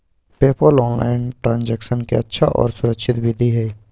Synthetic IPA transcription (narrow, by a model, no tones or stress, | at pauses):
peːpəlɔːnla̰ːɪnʈɾãːnd͡ʒɛːkʃənkeɐtːʃʰaʔɔ̰ːɾsʊɾəkʃʰɪt̪bʱɪd̪ʱiɦɛː